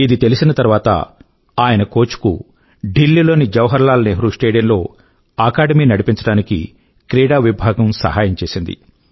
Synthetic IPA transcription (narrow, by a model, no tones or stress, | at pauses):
id̪it̪e̞lisinɐt̪ɐɾʋaːt̪ɐ̰ | aːjɐnɐko̞ːt͡ʃu̥kṵ | ɖilːiːlo̞ːnid͡ʒɐwɐɦɐɾlaːlɐneːɦɾuːsʈeːɽijɐnlo̞ː | aːkaːɖɐmiːnɐɽipiɲt͡ʃɐɽaːnikḭ | kɾɛːɽaːʋibʱaːɡɐmsɐ̰ɦaːjɐmt͡ʃe̞ːsind̪ḭ